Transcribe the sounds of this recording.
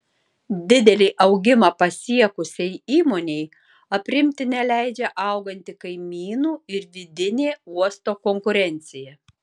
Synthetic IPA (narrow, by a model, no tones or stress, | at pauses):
d̪ʲɪd̪ʲɛlʲiːʔɐʊɡʲɪmɐpɐsʲiɛkʊsʲɛɪiːmoːnʲɛɪ | ɐpʲɾʲɪmʲt̪ʲɪnʲɛlʲæˑɪd͡ʒʲɛʔɐˑʊɡɐnʲt̪ʲɪkɐɪmʲiːnuːɪɾʋʲɪd̪ʲɪnʲeːuɔst̪oːkɔŋkʊɾʲɛnʲt̪sʲɪjɛ